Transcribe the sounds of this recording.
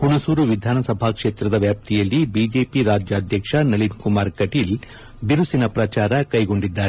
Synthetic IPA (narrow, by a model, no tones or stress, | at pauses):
kuɳɐsuːɾuʋid̪ʱaːnɐsɐbʱaːkʂe̞ːt̪ɾɐd̪ɐʋjaːp̚t̪ʰijɐlːibiːd͡ʒe̞ːpiɾaːd͡ʒjaːd̪ʱjɐkʂɐnɐlinkumaːɾkɐʈiːl | b̪iɾusinɐpɾɐt͡ʃaːɾɐkɐjɡo̞ɳɖid̪ːaːɾe